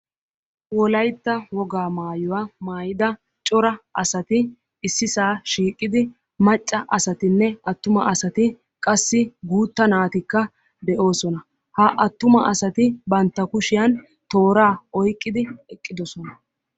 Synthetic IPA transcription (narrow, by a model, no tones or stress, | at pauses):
wɔlɐjt̪ːɐwɔɡaːmaːjʊwamaːjɪd̪ɐ | t͡ʃʼɔɾɐʔɐsɐt̪ɪ | ɪsːɪsaːʃiːkʼːɪd̪ɪ | mɐt͡ʃʼːɐʔɐsɐt̪ɪnːɛɐt̪ːʊmɐɐsɐt̪ɪ | kʼɐsːɪɡuːt̪ːɐnaːt̪ɪkːɐ | d̪ɛʔo̞ːsɔnɐ | hɐʔɐt̪ːʊmɐʔɐsɐt̪ɪbɐnt̪ːɐkʊʃɪjɐn | t̪o̞ːɾaːɔjkʼːɪd̪ɪɛkʼːɪd̪ɔsɔnɐ